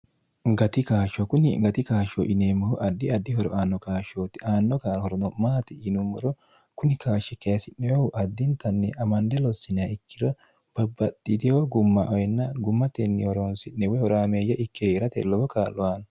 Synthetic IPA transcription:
ɡɐt̪ɪkaːʃɔkʊnɪɡɐt̪ɪkaːʃɔ̰ʔɪneːmːɐhʊʔɐd̪ːɪɐd̪ːɪhɔɾɔ̰ʔaːnːɔkaːʃoːt̪ɪʔaːnːɔkaːɾhɔɾɔnɔmaːt̪ɪɪnʊmːɔ̰ɾɔ | kʊnɪkaːʃɛkɛjɐsɪnːɛwɛʊʔɐd̪ːɪnt̪ɐnːɛɐmɐnd̪ɛlɔsːɪnɪɐɪkːɪd̪ɔ | b̥ɐbːɐt̪ʼːɪd̪ɪjoɡʊmːɐʔɔjɛnːɐɡʊmːɐt̪ɛnːɪhɔɾonsɪnːɛwɛhɔɾaːmeːjːɐʔɪkʰːeɪɾɐt̪ɛ̰lɔbɔkaːlːɔwaːn

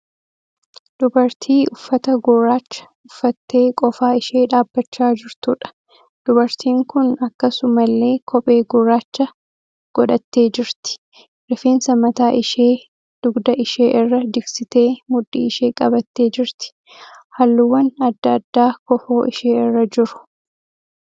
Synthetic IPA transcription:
d̪̥ʊbɐɾt̪ʰiːʊfːɐt̪ɐɡʊrːaːt͡ʃːɐ̥ | ʊfːɐt̪ːeːkʼɔfaːɪʃeːᶑaːbːɐt͡ʃːaːd͡ʒɪɾt̪uᶑɐ̥ | d̪̥ʊbɐɾt̪ʰiːŋkʊnɐkːɐsʊmɐlːe̞ːkʰɔpʼe̞ːɡʊrːaːt͡ʃːɐ | ɡ̥ɔᶑɐt̪ːe̞ːd͡ʒɪɾt̪ɪ̥ | ɾɛfeːnsɐmɐt̪aːʔɪʃeː | d̪̥ʊɡd̪ɐʔɪʃeːʔɪrːɐd̪ɪɡsɪt̪e̞ːmʊᶑːḭːɪʃe̞ːkʼɐbɐt̪ːeːd͡ʒɪɾt̪ɪ̥ | hɐlːuwɐnɐd̪ːɐːd̪ːaːkɔfoːʔɪʃeːɪrːɐd͡ʒɪɾʊ̥

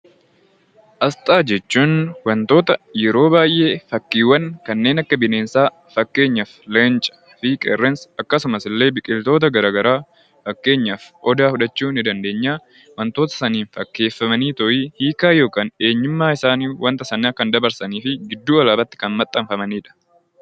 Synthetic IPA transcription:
ʔɐst̪ʼaːd͡ʒɛt͡ʃːuːnwɐnt̪o̞ːt̪ɐjɛɾo̞ːbaːjʔe̞ːfɐkːiːwːɐnkɐnːe̞ːnɐkːɐbɪneːnsaː | fɐkːe̞ːɲːɐflɛnt͡ʃʼɐ̥ | fikʼɛ̰rːɛnsɐkːɐsʊmɐsɪlːe̞ːbɪkʼːɪlt̪o̞ːt̪̬ɐɡɐɾaːɡɐɾaː | fɐkːe̞ːɲːɐfʔɔd̪aːfʊᶑɐt͡ʃːuːnɪd̪ɐnd̪e̞ːɲːaː | wɐnt̪oːt̪ɐ̥sɐniːnfɐkːe̞ːfːɐmɐniːt̪ɔʔiːhiːkaːjo̞ːkaːne̞ːɲːɪmːaːɪsaːniːwʔɐnt̪ɐsɐnːaːkɐnd̪ɐbɐɾsɐniːfɪɡɪd̪ːuːɐlaːbɐt̪ːɪ̥kɐnmɐt̪ʼːɐmfɐmɐniːᶑɐ̥

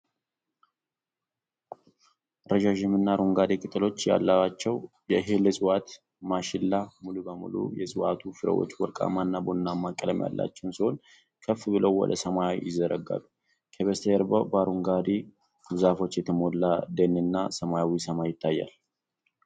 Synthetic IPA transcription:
ɾəʒaʒɪmɨnːaɾuŋɡad̪ikʼɨt̪ʼɨlo̞t͡ʃːja̰lːaat͡ʃːɛw | jɛɦelɨsʼɨwat̪ | maʃɪlːamulubəmṵlṵjɛsʼɨwat̪ʰufɨɾə̰wo̰t͡ʃːwɔlkʼa̰manːabonːamːakʼːələmja̰lːa̰t͡ʃːɛwnsiho̞n | kʰəfːbɨləwwɔ̰d̪əsəmajawḭjɪzːəɾʔəɡːa̰lːu | kʰəβəst̪ʰəɛɾbəbaɾuŋɡad̪i | bɨzafo̞t͡ʃːjɛt̪ʰəmo̞lːad̪enːɨnːasəmajawisəmajɪt̪ʰːajːa̰l

